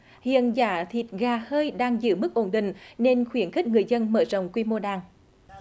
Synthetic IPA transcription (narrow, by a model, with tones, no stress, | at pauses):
hḭ˧˨ənzaː˧˩˦t̪ʰi˨˩t̚ɣaː˨˩həː˧jɗaː˧ŋzɨ̰˧˥mɨ˦˥k̚ʔo˧˩nɗḭ̈˧˨ŋ̟ne˧nxwi˧˩ənxi˦˥k̟̚ŋɨ˨˩əjzə˧nməː˧˩zə̰˧˨wŋ͡mkwi˧mo˧ɗaː˨˩ŋ